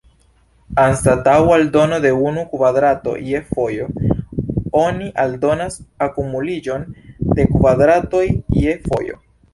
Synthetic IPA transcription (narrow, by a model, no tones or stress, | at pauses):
anstatawaldo̞no̞de̞unukvadɾato̞̰je̞fo̞jo̞ | o̞niʔaldo̞nasakumulid͡ʒo̞nde̞kvadɾato̞jjefo̞̰jo̞̰